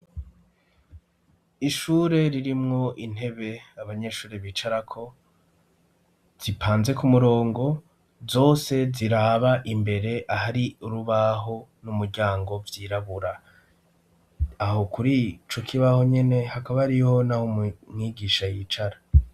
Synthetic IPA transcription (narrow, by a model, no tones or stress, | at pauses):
iʃuːɾe̞ɾiɾimŋo̞ʔin̥e̞βe̞aβaɲe̞ʃuːɾeβit͡ʃaɾakʰo̞ | z̥ipʰaːnze̞kumuɾo̞ːŋɡo̞ | zo̞ːse̞ziɾaːβaʔimbe̞ɾe̞ʔahaɾiuɾuβaɦo̞numuɾɟaːŋɡo̞vjiːɾaβuɾa | ɦo̞kuɾit͡ʃo̞kʰiβaho̞ɲe̞ne̞hakaβaɾiho̞nahommŋiːɡiʃajit͡ʃaɾa